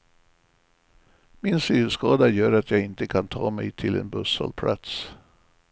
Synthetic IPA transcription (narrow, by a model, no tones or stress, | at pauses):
mɪnsyːskɑːd̪ajœːɾat̪jɑːɡɪnt̪əkʰant̪ʰɑːmɛjt̪ʰɪlɛ̰nbɵsə̰lpʰlʔa̰t̪s